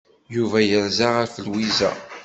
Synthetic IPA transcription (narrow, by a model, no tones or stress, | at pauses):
juvæjəɾzaʁəɾfəlwizæ̰